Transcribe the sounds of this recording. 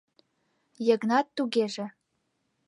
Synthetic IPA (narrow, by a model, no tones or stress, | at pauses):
jɤ̆ɡnɑt̪ːuɡeʒĕ